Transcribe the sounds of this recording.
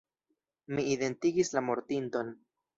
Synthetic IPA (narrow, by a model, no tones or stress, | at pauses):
miide̞ntiɡislamo̞ɾtinto̞n